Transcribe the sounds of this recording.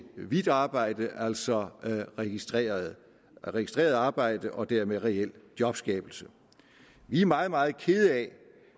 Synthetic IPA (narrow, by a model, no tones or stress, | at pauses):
ʋid̥ɑ̈ːb̥ɑ̈ɪ̰d̥əʔæl̰sɒ̽ʁ̥i̥ | ʁɛɡ̥isd̥ʁḛːɐð̞ˠɑ̈ːb̥ɑ̈ɪ̰d̥əʔɒ̽d̥æɐmeðˠʁɛel̰d̥jɒ̽b̥sɡ̥ɛːb̥l̩sə | ʋiæɐmɑ̈ːð̞̩ˠmɑ̈ːð̞̩ˠkʰe̝ð̞̩ˠɛ